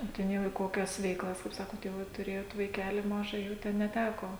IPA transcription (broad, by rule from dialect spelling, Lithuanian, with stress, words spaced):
oː ˈtʲɛn jɛʊ iː ˈkoːkʲɛs ʋʲɛɪˈklˠɐs kɐɪp ˈsɑːkoːt jɛʊ ˈʋɐ tʊˈrʲeːjoːt ʋɐɪˈkʲæːlʲɪ ˈmɑːʒɐ jɛʊ ˈtʲɛn nʲɛˈtʲæːkoː